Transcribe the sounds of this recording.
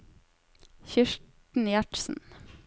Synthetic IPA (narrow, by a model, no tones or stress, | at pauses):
çʏʃʈ | n̩ijæʈsn̩